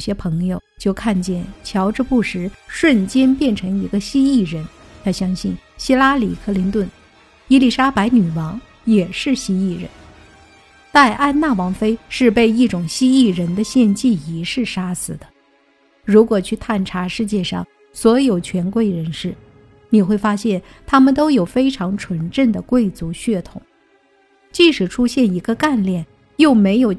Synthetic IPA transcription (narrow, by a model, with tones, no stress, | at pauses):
ɕjɛ˥pʰɤ˧˥ŋjo˧ʊt͡ɕjo˥˧ʊkʰa˥˧nt͡ɕjɛ˥˩nt͡ɕʰjɑ˧˥ʊʈ͡ʂ̩˥˧pu˥˩ʂɻ̩˧˥ʂwə˥˩nt͡ɕjɛ˥npjɛ˥˩nʈ͡ʂʰɤ˧˥ŋi˧˥ɡə˧ɕi˥i˥˩ɻə˧˥n | t̪ʰa˥ɕjɑ˥ŋɕi˥˩nɕi˥la˥li˨˩kʰɤ˥˧li˧˥nt̪wə˥˩n | i˥li˥˩ʂa˥pa˧˥ɪny˨˩wɑ˧˥ŋ | jɛ˨˩ʂɻ̩˥˩ɕi˥i˥˩ɻə̰˧˥n | t̪a˥˧ɪʔa˥˧nna˥˩wɑ˧˥ŋfe˥ɪʂɻ̩˥˧pe˥˧ɪi˥˩ʈ͡ʂʊ˨˩ŋɕi˥i˥˩ɻə˧˥nd̪ə˧ɕjɛ˥˧nt͡ɕi˥˩i˧˥ʂɻ̩˥˩ʂa˥sɹ̩˨˩d̪̥ə˦ | ɻu˧˥kwɔ˨˩t͡ɕʰy˥˧t̪ʰa˥˩nʈ͡ʂʰa˧˥ʂɻ̩˥˧t͡ɕjɛ˥˧ʂɑ̰˥˩ŋ | swɔ˧˥jo˨˩ʊt͡ɕʰɥɛ˧˥nkwe˥˩ɪɻə˧˥nʂɻ̩˥˩ | ni˨˩xwe˥˩ɪfa˥ɕjɛ˥˩nt̪ʰa˥mə˨nt̪̬o˥ʊjo˨˩ʊfe˥ɪʈ͡ʂʰɑ˧˥ŋʈ͡ʂʰwə˧˥nʈ͡ʂə˥˩nd̪ə˩kwe˥˩ɪt͡su˧˥ɕɥɛ˥˩t̪ʰʊ˨˩˦ŋ | t͡ɕi˥˩ʂɻ̩˨˩ʈ͡ʂʰu˥ɕjɛ˥˩ni˧˥ɡə˧ka˥˧nljɛ˥˩n | jo˥˩ʊme˧˥ɪjo˨˩ʊ